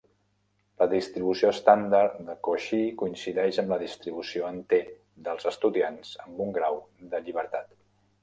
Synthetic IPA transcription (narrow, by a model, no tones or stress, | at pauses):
ləðist̪ɾiβ̞usiost̪and̪aɾd̪əkoʃikuinsiðɛʃəmləðist̪ɾiβusioənt̪e | d̪əlˠzəst̪uðianz̥əmbuŋɡɾawd̪əʎiβ̞əɾt̪at̪